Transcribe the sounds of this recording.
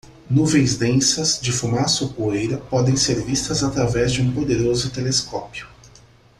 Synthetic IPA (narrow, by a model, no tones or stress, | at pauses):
nuvẽj̃zd̪ẽsɐzd͡ʒɪfumasʊkoejɾɐpɔd̪ẽj̃seɾvist̪ɐzat̪ɾavɛzd͡ʒɪũpod̪eɾozʊt̪eleskɔpjʊ